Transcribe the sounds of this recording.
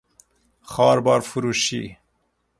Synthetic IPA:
xɑːɾbɑːɾfuɾuːʃḭ

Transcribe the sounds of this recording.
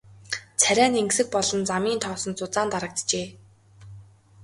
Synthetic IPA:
t͡sʰæɾʲæːneŋksɘ̆k̚pɔɮɞ̆nt͡samiːnt̪ʰɔːsɞ̆nt͡sʊt͡saːnt̪aɾə̆k̚t̪t͡ɕeː

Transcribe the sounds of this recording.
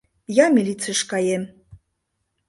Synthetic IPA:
jɑmʲilʲitt͡səʃkɑjem

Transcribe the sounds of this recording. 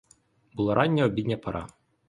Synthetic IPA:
bulˠaɾʔanʲːɛɔbʲid̪ʲnʲɐpɐɾʔɑ̰

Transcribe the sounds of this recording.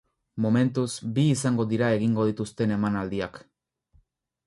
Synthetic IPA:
mome̞nt̪uzbiːsaŋɡo̞ðiɾae̞ɣiŋɡo̞ð̞it̪ust̪e̞ne̞manald̪iak

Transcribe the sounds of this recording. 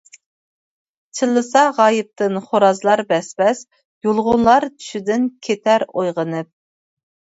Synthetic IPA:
t͡ʃʰɨlˠːɨsɑʁɑːjɪp̚t̪ɨnχoɾɑzlˠɑɾbɛsbɛs | julˠʁʊnlˠɑɾt̪ʰy̥ʃyd̪ɪnkʲʰet̪ʰæɾojʁənɨp̚

